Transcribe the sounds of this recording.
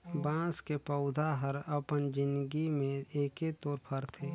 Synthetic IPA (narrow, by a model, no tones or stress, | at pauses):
bãːskepəʊd̪ʱaɦəɾəpənd͡ʒɪnd̪ɡimẽeːket̪oːɾpʰəɾt̪ʰeː